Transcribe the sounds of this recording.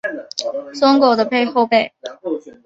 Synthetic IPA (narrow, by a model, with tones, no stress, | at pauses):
swɔ˥ŋko˨˩ʊd̪ə˦pe˥˧ɪxo˥˧ʊpe˥˩ɪ